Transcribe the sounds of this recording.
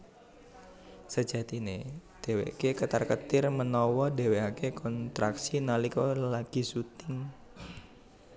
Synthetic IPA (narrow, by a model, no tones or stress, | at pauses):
səd͡ʒat̪ined̥ewḛkekət̪arkət̪ɪrmənɔwɔde̤weakekɔnt̪ɾaksinalikɔlaɡ̥i̤sut̪ɪŋ